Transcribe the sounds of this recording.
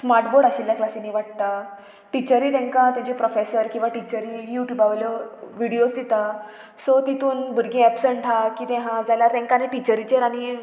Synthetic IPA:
smaɾʈboɽaɕilːjaklasinːiːʋaʈ̚t̪a | ʈit͡ɕəɾiːt̪ɛ̃ŋkãt̪jãt͡ɕepɾofesəɾkĩw̃ʋaʈit͡ɕəɾijuʈjuːbaʋljɔʋiɽiosd̪it̪a | sɔt̪it̪uːnbʱuɾɡẽɛpsəɳʈʈ̪ʰakiːt̪ɛ̃ɦãd͡zaljaɾt̪ɛ̃ŋkaneʈit͡ɕəɾit͡ɕeɾaɽ̃i

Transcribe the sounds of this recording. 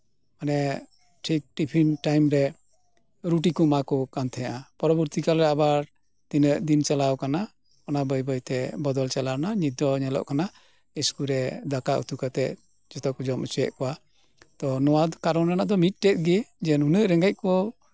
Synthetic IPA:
manɛ | ʈʰik̚ʈipʰinʈajmɾɛ | ɾuʈikɔmakɔkant̪ʰɛɲaʔapɔɾɔbəɾt̪ikalɾɛabaɾ | t̪inəʔd̪int͡ʃalawkana | ɔnabəjbəjt̪ɛbɔd̪ɔlt͡ʃalawnaɲid̪ɔɲɛlɔ̰ʔkana | iskuɾɛd̪akaʔṵt̪ukat̪ɛʔ | d͡ʒɔt̪ɔkɔd͡ʒɔmut͡ʃujɛ̰ʔkɔwa | t̪ɔnɔwad̪kaɾɔnanaʔd̪ɔmit̪̚ˀʈɛt̪̚ɡɛd͡ʒɛnhunəʔɾɛŋɡac̚ˀkɔ

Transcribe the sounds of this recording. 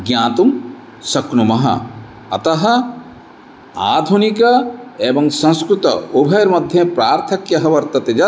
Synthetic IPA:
ɡjãːt̪um | sɐknumɐɦɐ̰ | ɐ̰t̪ɐɦɐ̆ | aːd̪ʱunikɐeːbɐŋsɐ̃nskɾut̪ɐ̰ubʱɐjːɾmɐd̪ʱjɐ̃pɾaːɾt̪ʰɐkjɐɦɐʋɐɾt̪ɐt̪ed͡ʒɐ

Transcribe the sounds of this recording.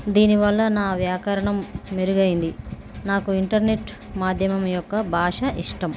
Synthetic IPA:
d̪iːniʋɐlːɐnaːʋjaːkɐɾɐɳɐmːeɾuɡɐjind̪i | naːkuiɳʈɐɾneʈː | maːd̪ʱjɐmɐmjɔkːɐbʱaːʂɐʔiʂʈɐm

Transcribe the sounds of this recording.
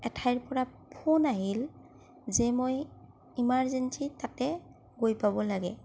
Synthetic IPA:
ɛtʰajɹpɔɹapʰonaɦil | zɛmoj | imaɹzɛnsitatɛ | ɡojpabɔlaɡɛ

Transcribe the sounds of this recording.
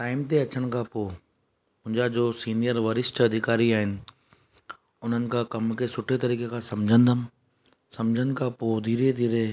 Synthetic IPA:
ʈaːɪmt̪eɐt͡ɕəɽ̃kʰãpoː | mʊ̃ɦɪ̃ɲd͡ʑad͡ʑoːsiːnijəɾʋɐɾɪsʈɐd̪ʱɪkaːɾiaːɦɪnɪ̆ | ʊn̤ənɪ̆kʰãːkɐmkʰesʊʈʰet̪ɐɾiːkekʰãsɐ̃md͡ʑʱə̃nd̪əm | sɐ̃md͡ʑʱəɽ̃ɪ̆kʰãpoːd̪ʱiːɾed̪ʱiːɾe

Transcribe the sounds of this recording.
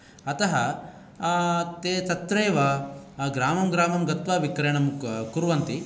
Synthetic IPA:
ɐt̪ɐɦɐ | t̪eːt̪ɐt̪ɾeːʋɐɡɾaːmɐmɡɾaːmɐmɡɐt̪ʋaːʋikɾeɳɐmkuɾʋɐnt̪i

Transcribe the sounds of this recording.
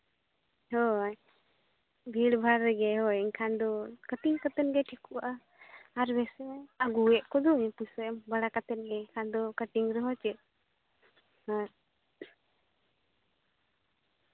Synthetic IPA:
hɔj | bʱiɽbʱaɾɛɡɛɦɔɛnkʰand̪ɔkət̪iŋkat̪ɛnɡɛʈʰikuʔaʔa | aɾbɛsɛaɡuɛʔkɔd̪ɔɲɛpusɔɛmbalakat̪ɛnɡɛkʰand̪ɔkəʈ̪iŋɾɛɦɔt͡ʃɛʔ | hɔ

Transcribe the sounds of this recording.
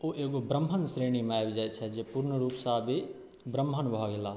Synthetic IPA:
oʔeɡobɾəmʱənsɾeñimeajbd͡ʒaj̪t͡ʃʰɛd͡ʒepuɾnəɾuːpsabʱi | bɾəmbʱənbʱɔɡela

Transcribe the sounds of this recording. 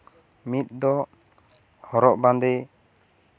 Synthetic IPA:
mit̪̚ˀd̪ɔ | hɔɾɔʔband̪ɛ

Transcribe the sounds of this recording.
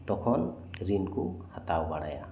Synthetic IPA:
t̪ɔkʰɔn | ɾinkuhat̪awbaɽa̰ja̰

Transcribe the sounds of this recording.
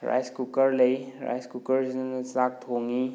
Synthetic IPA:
ɾa̰jskukəɾləjɾa̰jskukəɾinanɐsak̚tʰoŋi

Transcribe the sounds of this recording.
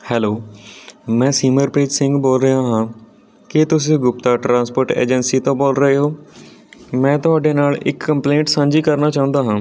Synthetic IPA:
hɛːloː | mɛ̃ːsiːməɾpɾiːd͡ʒsɪ̃ŋɡboːlɾəaːɦãː | kɪt̪ʊsĩːɡʊpt̪aːʈɾãːnspoːɾʈḛːd͡ʒənsiːt̪õːboːlɾəeːɦoː | mɛ̃ːt̪ʊɦaːɖeːnaːlɪ̰kːəmplẽːɳʈsãːɲd͡ʒiːkəɾnaːt͡ʃaːʊ̃nd̪aːɦãː

